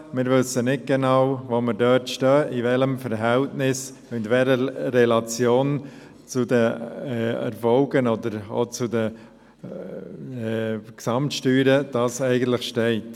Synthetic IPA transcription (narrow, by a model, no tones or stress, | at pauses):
mɪːɾʋʏsənɪt̚ɡ̥enawvoːməɾdœːtʃtœːʔivɛləmfəɾɦɛltnɪs | ɪndʋɛləɾɛlɑt͡sjoːn | t͡sʊdəɛɛ̰ɾfɔlɡənɔdəɾo̰t͡sʊdə | ksɑmtʃtyːɾəd̥ɑːsɛɪɡən̩t̪lɪχʃtɛɪt